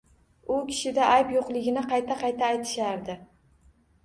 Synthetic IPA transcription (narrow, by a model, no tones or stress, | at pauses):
ʊkʲʰɪ̥ʃɪd̪aʔajpjoqlˠɪɡʲɪnɪqʰɑjt̪ʰaqʰɑjt̪ʰaːjt̪ʰɪ̥ʃaɾd̪ɪ